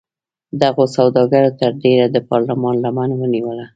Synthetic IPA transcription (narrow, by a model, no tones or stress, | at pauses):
d̪aɣosawd̪ɑɡaɾot̪əɾɖeɾad̪əpɑɾlamɑnlamanwəniwəla